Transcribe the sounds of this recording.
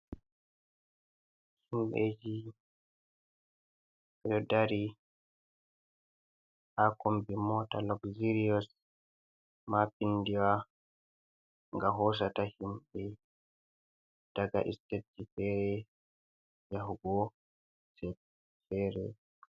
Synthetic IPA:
himɓed͡ʒi | ɛjɔdaɾi | ʔakombimɔtalɔkziɾiɔs | mapindiwa | ŋɡaɦɔs̬atahimɓɛ | d̥aɡa̰ʔḭstet̚d͡ʒifɛɾɛ | jaɦuɡɔ | sɛb̚ | fɛɾɛ̰

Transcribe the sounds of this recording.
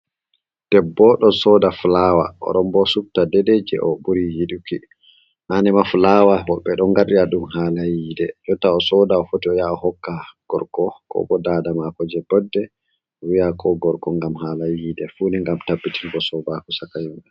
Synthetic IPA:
d̥ɛbːɔɗɔsɔdaflawa̰ʔɔ̰ɗɔmbɔsuk̚tadɛded͡ʒɛ̰ʔɔɓuɾijiɗuki | hanɛmafulawahɔɓɛɗɔŋɡaɾɗiaɗumɦaːlajidɛd͡ʒɔtːaɔsɔdaɔfotiɔjaɔhɔkːaɡ̥ɔ̰ɾkɔkʰɔ̰bɔdadamakɔd͡ʒɛbɔdːɛ | wijakʰɔɡɔɾkɔŋɡamhaːlajidɛfuniŋɡamtabːitʰilbɔsɔbakusakajimbɛ

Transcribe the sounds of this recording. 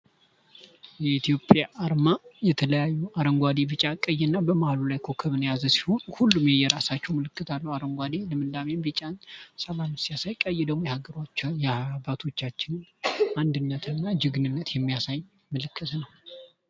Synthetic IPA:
jɛit̪jo̞pʼːjaʔaɾmajɛt̪ʰələjajːuaɾəŋɡʷad̪ibɨt͡ʃʼakʼːəjːɛnːabəmahalulajkʰo̞kʰəβɨnjazəsi̥ho̞nhulːumjɛjɛɾasat͡ʃːɛwməlɨkːɨt̪ʰalːəwaɾəŋɡʷad̪ilɨmɨnd̪amembɨt͡ʃʼansəlamɨsijasajkʼəjːɛd̪əɡmojɛhaɡəɾot͡ʃːjɛbat̪ʰo̞t͡ʃːat͡ʃːɪnand̪ɨnːət̪ʰɨɨnːad͡ʒɨɡnɨnːət̪jɛmːijasaj | məlɨkʰːət̪nəw

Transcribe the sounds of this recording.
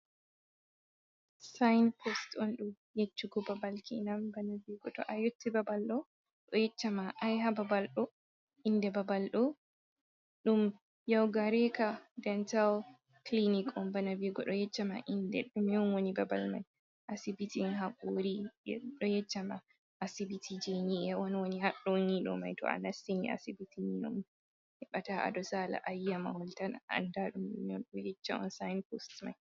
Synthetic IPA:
sajnpʰɔstɔnɗum | jet͡ʃːuɡɔbabalkʰinambanabiɡɔɗɔ̰ʔajotːibabalɗɔ | ɗɔjɛt͡ʃːamaʔajɦababalɗɔ | indɛbabalɗɔ | ɗum | jawɡaɾɛkadɛntal | klinikɔmbanaviɡɔɗɔjɛt͡ʃːama̰ʔindɛ̰ɗumjɔnwonibabalma̰j | ʔasibitinhakoɾḭɗɔjɛt͡ʃːama | ʔasibitʰid͡ʒeniʔɛwɔnwonihaɗːɔɲiɗɔ̰ma̰jtɔ̰a̰nasinḭʔa̰sibitʰiɲiɗɔ̰m | hɛɓataʔa̰dɔsala̰ʔajːama̰hɔltanaa̰ndaɗumɗṵmɔɗɔjɛt͡ʃːaɔ̰nsajnpostma̰j

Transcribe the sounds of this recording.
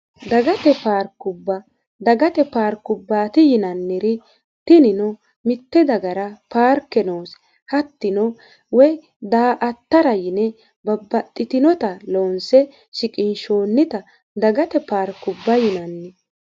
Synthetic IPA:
d̪ɐɡɐt̪ɛpaːɾkːʊbːɐ | d̪ɐɡɐt̪ɛpaːɾkːʊbːaːt̪ɪjɪnɐnːɪɾɪ | t̪ɪnɪnɔ | mɪt̪ːɛd̪ɐɡɐɾɐpaːɾkːɛnoːs | hɐt̪ːɪnɔ | wɛj | d̪aːʔɐt̪ːɐɾɐjɪnɛ | bɐbːɐt̪ʼːɪt̪ɪnɔt̪ɐloːnsɛ | ʃɪkʼɪnʃo̞ːnːɪt̪ɐ | d̪ɐɡɐt̪ɛpaːɾkːʊbːɐjɪnɐnːɪ

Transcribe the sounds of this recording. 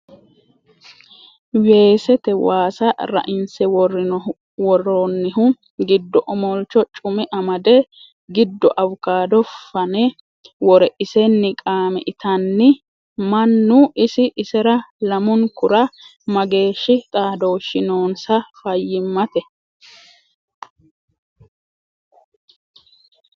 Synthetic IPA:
we̞ːsɛt̪ɛwaːsɐɾɐ̰ʔɪnsɛwɔrɪ | wɔrːonːɪɦʊ | ɡɪd̪ːɔʔɔmɔlt͡ʃːɔt͡ʃʼʊmɪʔɐmɐd̪ɛ | ɡɪd̪ːɔʔɐwʊkaːd̪ɔfɐnɛ | wɔɾɛʔɪsɛnːɪkʼaːmɛʔɪt̪ɐnːɪ | mɐnːʊʔɪsɪʔɪsɛɾɐlɐmʊnkʊɾɐ | mɐɡe̞ːʃːɪt̪ʼaːd̪o̞ːʃːɪnoːnsɐfɐjːɪmːɐt̪ɛ

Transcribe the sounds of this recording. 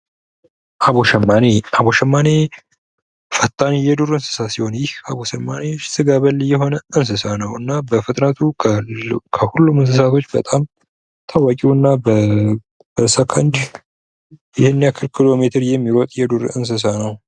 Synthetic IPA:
ʔaβoʃɛmːaneaboʃɛmːane | fət̪ʰʼːanjɛd̪uɾɨnsɨ̥sasiho̞njɪhaβoʃəmːanesɨɡaβəlːjɛɦo̞nəɨns̬ɨsanəwɨnːabəfɨt̪ʼnat̪ʰu | kʰəhulːumɨns̬ɨs̬at̪ʰo̞t͡ʃːbə̰t̪ʼam | t̪ʰawakʼiwɨnːabə | b̥əsəkʰənd͡ʒ | jɪhenːjakʰɨlkʰilo̞met̪ʰəɾjɛmːiɾɔt̪ʼjɛd̪uɾɨns̬ɨs̬anəw

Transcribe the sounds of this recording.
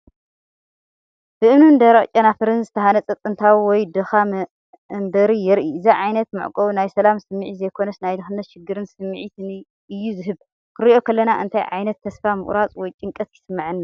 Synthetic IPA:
b̥ɨʔɨmnund̪ɐɾɐχʼt͡ʃʼɐnafɨɾɨnzɨt̪ʰɐhanɐt͡sʼɐt͡s̪ʼɨnt̪ʰawiwɔjd̪ɨxa | mbɐɾijɛɾʔiɨziʕajnɐt̪mɨ̰ʕkʼɐwunajsɐlamsɨmːɨʕizɐjkʰo̞nɐsnajd̪ɨxɨnːɐt̪ʃɪɡːɨɾɨnsɨmːʕit̪ʰni | ɨjːuzɨɦɨβ | kʰɨɾiʔo̞kʰɐlːɐnaʔɨ̰nt̪ʰajʕa̰jnɐt̪ʰːɐsfamɨ̰χʼɾat͡sʼwɔjt͡ʃʼɨŋkʼɐt̪jɪsɨmːaʕɨnːa

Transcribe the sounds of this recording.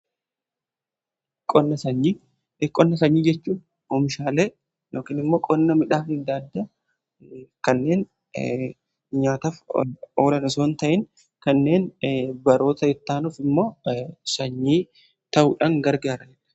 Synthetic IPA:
kʼɔnːɐsɐɲːiː | kʼɔnːɐsɐɲːiːd͡ʒɛt͡ʃːuːn | ɔmɪʃaːleː | jo̞ːkɪnɪmːo̞ːkʼɔnːɐmɪᶑaːfɪd̪aːd̪ːɐ | kɐnːe̞ːn | ɲaːt̪ɐfoːɾɐnɐsoːnt̪ɐʔɪŋ | kɐnːe̞ːnbɐɾo̞ːt̪ɐɪt̪ːaːnuːfɪmːo̞ːsɐɲːiː | t̪ɐʔuːᶑaŋɡɐɾɡaːɾɐd͡ʒɛᶑ

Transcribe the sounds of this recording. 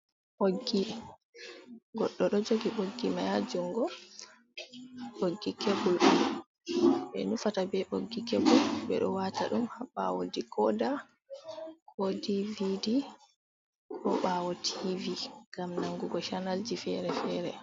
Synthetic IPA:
ʔoɡːi | ɡɔɗːɔɗɔd͡ʒoɡiɓoɡːimajad͡ʒuŋɡɔ | ɓoɡːikʰebulɗum | ɓɛ̰nufatabɛʔoɡːikebulɓɛ̰ɗɔ̰wata̰ɗumhaɓa̰wo̰dikʰɔda | kʰɔdividi | kʰɔɓawɔtʰiviŋɡamnaŋɡuɡɔʃanald͡ʒifɛɾɛfɛɾɛ̰

